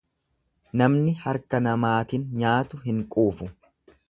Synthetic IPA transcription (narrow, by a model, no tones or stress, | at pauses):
nɐmnɪhɐɾkɐnɐmaːt̪ɪnɲaːt̪ʊɦɪŋkʼuːfʊ